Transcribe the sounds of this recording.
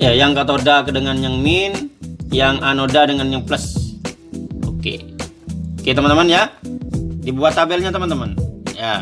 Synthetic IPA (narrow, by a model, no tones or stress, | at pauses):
jajaŋkat̪odakədəŋanjaŋminjaŋanodadəŋanjaŋpləs | okḛ | oket̪əmənt̪əmənja | dibuat̪abɛlɲat̪əmənt̪əmənja